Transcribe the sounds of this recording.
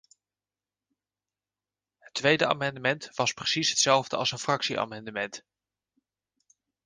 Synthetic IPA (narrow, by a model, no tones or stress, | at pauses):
ɦətʋejdəa̰ːmɑndəmɛntʋɑsprəsisɦətsɛlˠvdəɑ̰lsənfrɑksiʔa̰ːmɑndəmɛnt